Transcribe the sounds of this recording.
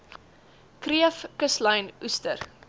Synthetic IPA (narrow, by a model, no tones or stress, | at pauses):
kriəfkəslɐjnustər